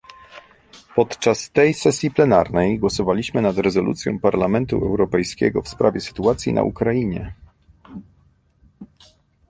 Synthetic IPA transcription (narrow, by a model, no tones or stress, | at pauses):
pɔt̪t͡ʂast̪ɛjsɛsʲjiplɛna̰ɾnɛjɡwɔsɔvalʲiɕmɘnad̪ɾɛzɔlṵt̪sʲjɔ̰̃w̃paɾlamɛnt̪ṵʔɛwɾɔpɛjskʲɛ̰ɡɔfspɾavʲjɛsɘ̥t̪uat̪sʲjḭnʔa̰ʔṵkɾajiɲɛ̰